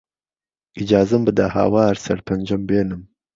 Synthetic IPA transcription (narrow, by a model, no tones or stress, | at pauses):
id͡ʒɑːzambəd̪ahɑ̰ːwɑːɾsɐ̰ɽpʰand͡ʒɐmbeːnɨm